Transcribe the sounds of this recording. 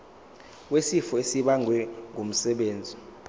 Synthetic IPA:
wesifɔesiɓaŋʱwɛŋum̩sɛɓeːnd͡zʱi

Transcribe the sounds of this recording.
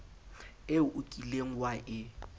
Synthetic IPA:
ɪʊʔʊkʼileŋ̩waʔɪ

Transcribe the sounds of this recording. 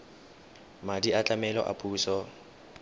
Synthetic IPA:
madiat͡ɬʼamɛlɔ̰ʔa̰pʼuːsɔ

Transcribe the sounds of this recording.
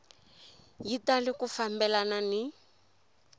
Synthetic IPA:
jitalɪkufambɛlanani

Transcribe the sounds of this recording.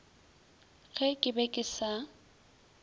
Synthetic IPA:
ɣʰɛkʼɪbɛkʼɪsa

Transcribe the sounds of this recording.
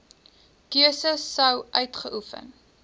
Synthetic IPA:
kiəsəsːəwʔœɥtχəʔufə̰n

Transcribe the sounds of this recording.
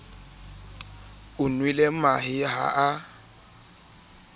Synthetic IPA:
ʊnwilemaɦɪɦa̰ʔa

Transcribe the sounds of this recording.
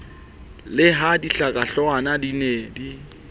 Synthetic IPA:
lɪɦadiɬakʼaɬɔanadineːdi

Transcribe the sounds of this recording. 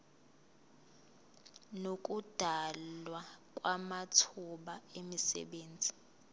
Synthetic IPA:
nok̬ʼud̥ʱalwakʼwamatʰuɓaemisɛ̰ɓeːnd͡zʱi

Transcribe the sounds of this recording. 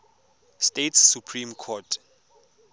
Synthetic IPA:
stetsːupʰrĩmkʰɔtʰ

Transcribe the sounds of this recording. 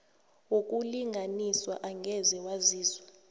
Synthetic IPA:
wok̬ʼuliŋʱaniswaʔaŋʱɛzɛwaziːzwa

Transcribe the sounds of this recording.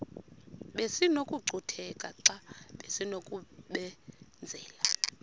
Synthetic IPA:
ɓesinokʼuɡ͡ǀʱutʰɛkʼaǀaɓesinokʼuɓɛnd͡zʱɛːla

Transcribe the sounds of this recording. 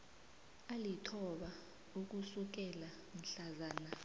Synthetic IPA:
alitʰɔɓa | uk̬usuk̬ɛla | m̩ɬazaːna

